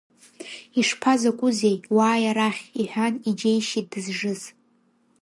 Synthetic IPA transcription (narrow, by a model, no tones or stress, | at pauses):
iʂpʰazakʷʼʊzejwaːjaɾaχʲiħʷᶣanid͡ʒejʃidɨzʐɨz